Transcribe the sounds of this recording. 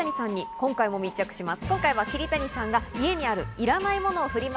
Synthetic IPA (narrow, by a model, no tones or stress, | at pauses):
aɲisãɲ̟ːikõ̞ŋkaimo̞mʲit͡ɕakɯ̟̥ɕimasɨ̥kõŋkaiβakʲiɾʲit̪aɲ̟isãŋɡaie̞ɲ̟iaɾɯ̟iɾanaimo̞no̞ːɸɯ̟ɾʲima